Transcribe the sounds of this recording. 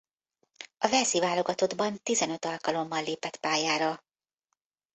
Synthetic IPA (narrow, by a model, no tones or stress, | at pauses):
ɒvɛzivaːlo̞ɡɒt̪o̞d̪bɒnt̪izɛnø̞t̪ɒlkɒlo̞mːɒlːeːpɛt̪paːjaːɾɒ